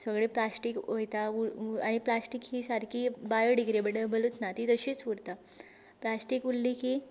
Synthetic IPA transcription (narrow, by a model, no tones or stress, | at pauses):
səɡɭeplasʈiːkojt̪auaɽ̃iplasʈikɦiːsaɾkiːbajoɖikɾibəɽəbəlut̪nat̪it̪əɕiːt͡sʋuɽt̪a | plasʈiːkulːiki